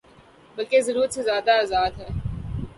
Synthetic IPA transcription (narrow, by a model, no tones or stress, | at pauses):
bɐlkezɐɾuːɾət̪sezjaːd̪aaːzaːd̪ɦɛː